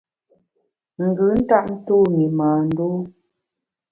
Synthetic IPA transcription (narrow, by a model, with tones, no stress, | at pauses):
ŋ̩˨ɡɯ˨˦n̩˦ta˦ʔn̩˦tuː˦˨mi˨maː˨n̩˦du˦